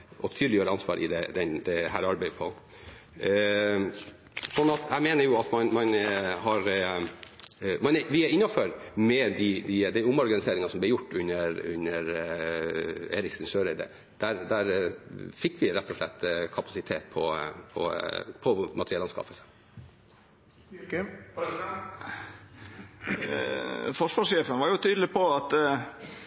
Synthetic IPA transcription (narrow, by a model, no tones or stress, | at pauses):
ʔɔt̪ʰyd̪lɪjøːɾəɑnsʋɑ̰ːɾʔɪ̰d̪ɛd̪ɛnd̪ɛɦæːɾɑɾbæɪpʰɔ | sɔnːɑt̪ʰæɪmeːnəɾjʊɑt̪mɑnmɑnɦɑɾ | mɑnʋɪɪnːɑføɾmɛd̪ɪd̪ɪd̪æɪʊmɔɾɡɑnɪseːɾɪŋɑsɔmblɛɾjʊʈːʉnːəɾʉnəɾ | ḛːɾɪksənʃøːɾəd̪ɛ̰ | d̪̥æɾd̪æɾfɪkːʋɪɾɛt̪ːɔʂɭɛt̪ːkʰɑpɑ̥sɪt̪ʰeːt̪̚pʰɔ̰pʰɔ̰pʰɔmɑt̪ʰɾɛlɑnskɑ̰ːpəlsə̥ | fɔʂʋɑʂjeːfənʋɑɾjʊt̪ʰyːd̪lɪpʰɔɑt̪